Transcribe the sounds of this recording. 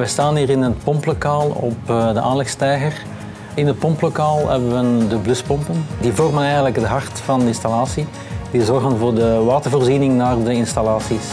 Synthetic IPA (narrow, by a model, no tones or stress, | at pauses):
ʋɛjstaːniːɾɪnət̚pɔmplokaːlˠɔ̰pdəʔaːnlɛxstɛjɣər | ɪnət̚pɔmplokaːlˠɦɛbəʋəndəblɵspɔmpəndivɔrmənɛjɣənləkdəɦɑrtfɑndəɪnstɑlaːsi | dizɔrɣənvʊːrdəʋaːtərvoːrzinɪŋnaːrdəɪnstɑlaːsis